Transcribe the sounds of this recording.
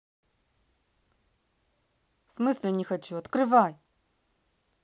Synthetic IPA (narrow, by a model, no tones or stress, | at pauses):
smɨsʲlʲɪnʲɪxɐt͡ɕuɐt̪kɾɨvaj